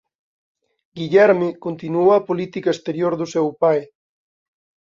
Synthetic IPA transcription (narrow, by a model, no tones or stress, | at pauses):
ɡiʎɛɾmikont̪inuowapolit̪ikaest̪eɾjoɾðusɛwpaj